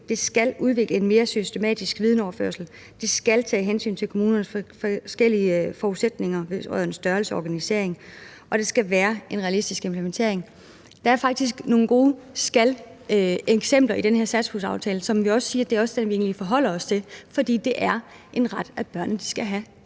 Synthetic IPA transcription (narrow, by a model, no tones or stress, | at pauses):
d̥e̝sɡ̥ælʔuð̞ˠʋe̝ɡ̥ləe̝nme̝ːɐsysd̥e̝mɛ̰ːd̥isɡ̥ʋið̞ˠn̩ɒʊɐfø̰ɐsl̩ | d̥e̝sɡ̥ælt͡sʰɛ̰ːɦensy̰ːnt͡sʰe̝lkʰo̝muːnɐnəsfsɡ̥el̰iəfɒuðˠsed̥ne̝ŋɐʋe̝ʁœð̰ˠn̩sd̥ɶɐl̩səɒɡ̥ænise̝̰ɐ̰e̝ŋ | ʔɒ̽d̥e̝sɡ̥æʋæːɐe̝nʁɛælisd̥isɡ̥empʰlement͡sʰe̝ɐ̰e̝ŋ | d̥ɑ̈æɐfɑ̈ɡ̥̚d̥is̬ɡ̥no̝ːn̩ɡ̥o̝ːsɡ̥æl | eɡ̥sem̰b̥lɐid̥enheɐsæd̥shusɑ̈ʊt͡sʰɛːləsɒ̽mʋiɒ̽sə̥siːɐd̥e̝æɐɒ̽səd̥enʋie̝̰ːnlifɒɦɒ̽l̰ɐɒ̽st͡sʰe̝lfɒ̽d̥ḭːd̥e̝ʔæɐ | ʔe̝nʁɑ̈d̥æb̥ɶɐ̰nəd̥i̥sɡ̥æɦæ